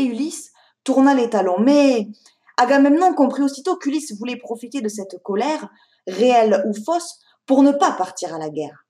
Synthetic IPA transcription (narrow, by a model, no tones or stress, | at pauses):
ylis | t̪uʁnalet̪alɔ̃mɛ | aɡamɛmnɑ̃kɔ̃pχiosit̪okylisvulɛpχɔfit̪ed̪əsɛt̪kɔlɛʁ | ʁeɛlufɔs | puʁnəpapaʁt̪iʁalaɡɛʁ